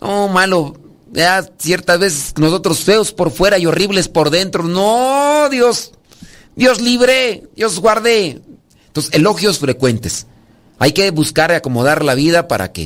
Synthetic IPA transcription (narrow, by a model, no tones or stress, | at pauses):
nʔomalo | aasjeɾt̪azβes̬esnosot̪ɾosfeospoɾfweɾaioriβlespoɾðent̪ɾonoðjos | d̪josliβɾed̪jozɡwaɾðe | nt̪oseeloxjosfɾekwent̪es | a̰jkeβuskaɾakomoðaɾlaβiðapa̰ɾa̰kḛ